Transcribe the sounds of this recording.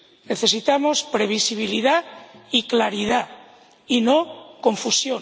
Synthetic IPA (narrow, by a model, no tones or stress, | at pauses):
ne̞θe̞sit̪amospɾe̞β̞isiβ̞iliðaiklaɾiða | inoko̞ɱfusjo